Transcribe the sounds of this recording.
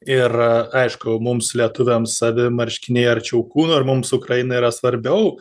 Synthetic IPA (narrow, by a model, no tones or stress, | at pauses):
ɪrɐɪʃkʊmʊmslʲiɛt̪ʊʋʲemsɐʋʲɪmɐɾʲʃʲkʲɪnʲeːjɐrt͡ʃʲɛʊkuːnoɐrmʊmsʊkrɐjɪnɐiːɾɐsʋɐɾʲbʲɛʊ